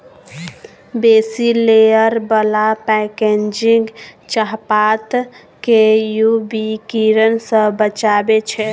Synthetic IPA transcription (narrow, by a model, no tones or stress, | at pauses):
besilejəɾbəlapɛkend͡ʒiŋɡt͡ʃaɦpat̪ | kejubikiɾənsə̃bət͡ʃabet͡ʃʰɛ